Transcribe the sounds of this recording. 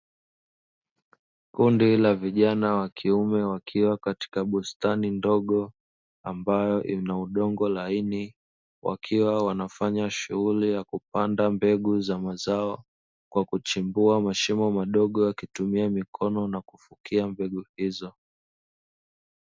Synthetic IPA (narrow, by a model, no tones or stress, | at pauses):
kundilaviʄanawakʰiumɛwakʰiwakati̥kaɓustanindɔɠɔ | ambajɔʔinauɗɔŋɡɔlaini | wʔa̰kʰiwawanafaɲaʃṵɣulijakupandambɛɠuzamazaɔ | kwakut͡ʃimbuamaʃimɔmaɗɔɠɔjakitumiamikʰɔnɔnakufukiambɛɡuhizɔ